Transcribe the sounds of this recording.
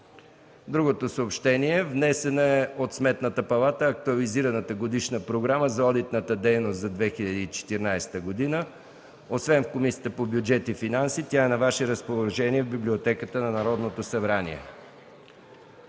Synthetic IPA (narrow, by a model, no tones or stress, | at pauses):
d̪ɾuɡot̪osəopʃt̪ɛniɛvnɛsɛnəɛot̪smɛt̪nət̪əpɐlˠat̪əːɐk̚t̪uɐliziɾənət̪əɡod̪iʃnəpɾoɡɾaməzɐɔd̪it̪nət̪əd̪ɛjnost̪zɐd̪vɛxiʎʲɐd̪iːt͡ʃɛ̥t̪iɾnajsɛ̥t̪əɡod̪inə | osvɛnfkomisiət̪əpobjʊd͡ʒɛt̪ifinansit̪ʲaɛnɐvaʃɛɾəspolˠɐʒɛniɛvbiblʲiot̪ɛkət̪ənɐnɐɾɔd̪not̪osɐbɾanḭɛ̰